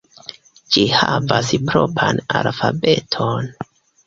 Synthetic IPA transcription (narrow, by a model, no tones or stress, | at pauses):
d͡ʒihavaspɾo̞pɾanalfabe̞tʰon